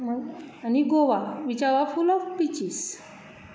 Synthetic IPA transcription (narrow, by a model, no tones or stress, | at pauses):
maniɡoʋaʋit͡ɕaɾafulɔfpit͡ɕis